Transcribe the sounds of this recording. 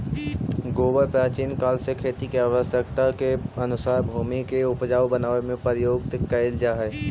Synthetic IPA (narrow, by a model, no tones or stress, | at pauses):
ɡoːbəɾpaːt͡ʃiːnkaːlsekʰeːt̪ikeaːʋəsjəkt̪akeɐnʊsaːɾbʱuːmikeʊpd͡ʒaːʋbənaːʋemẽpɾjoːɡ̚t̪kɐɪld͡ʒaːɦɛː